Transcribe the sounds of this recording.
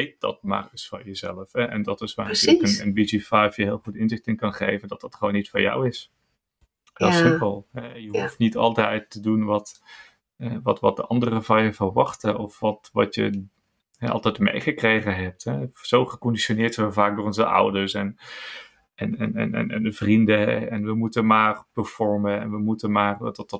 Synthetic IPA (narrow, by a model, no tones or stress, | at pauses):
ejt̚d̥ɑ̰t̚ma̰ːrɪsfɑ̰jəzɛləfhɛʔɛ̰ndɑtɪsʋaːrəokənənbid͡ʒifajfjəɦɪːlˠχutɪnzɪχtɪnkɑnχejvəndɑtdɑtχəʋonːitfʊːɹja̰wɪs | dsɪpəlˠɦɛjəɦuftnitɑlˠtɛjtːədunʋɑt | ɛʋɑtʋɑt̚dəʔɑndərəvɑnjəvərʋɑχtəʔɔfʋɑtʋɑ̰tjə̰ | ɦɛɑ̰lˠtɛjtmḛjχəkrejχənɦɛp̚tɦɛz̥owχəkɔndiʃonɪːɹtsɛʋəvaːk̚dʊːrɔnzəʔʌ̰wdəɹsɛn | ʔɛnɛ̰nɛ̰nɛ̰nɛ̰ndəvrindəɦɛ̰ɛnʋəmutəmaːrpəɹfɔɹmənɛ̰nʋəmutənmaːrdɑtdɑt̚